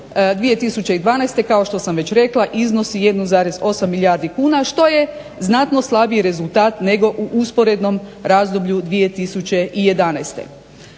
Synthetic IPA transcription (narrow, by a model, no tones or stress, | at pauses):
d̪ʋije̞t̪isut͡ɕe̞id̪ʋaːnɛjst̪e̞kao̞ʃt̪o̞samʋe̞t͡ɕɾe̞klˠaʔizno̞sije̞d̪nuzaːɾezo̞samːiljaːɾd̪ikuːnaʃt̪o̞je̞ | znat̪noslˠabiɾe̞zulˠt̪aːt̪ne̞ɡo̞ʔuʔuspo̞ɾe̞d̪no̞mɾaːzd̪obʎud̪ʋije̞t̪isut͡ɕe̞ije̞d̪anajst̪ḛ